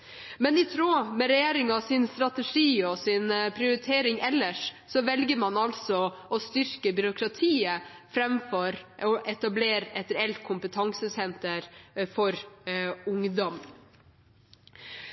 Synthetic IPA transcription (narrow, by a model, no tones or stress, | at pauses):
mɛnɪt̪ʰɾoːmɛɾɛjeːɾɪŋɑsɪnst̪ɾɑt̪əʂiːɔsɪnpʰɾɪʊɾɪt̪ʰeːɾɪŋɛlːəʂ | sɔʋɛlɡəɾmɑnɑlsɔ | ɔst̪ʏɾkəbʏɾʊkɾɑt̪ʰiːəfɾɛmfɔɾɔʔɛt̪ɑbleːɾɛt̪ɾɛɛlt̪̚kʰʊmpət̪ʰɑŋsəsɛnt̪əɾfɔɾ | ʊŋd̪ɔm